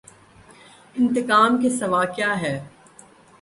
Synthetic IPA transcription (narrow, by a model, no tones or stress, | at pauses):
ɪ̃nt̪ɪkaːmkesɐʋaːkjaːɦɛː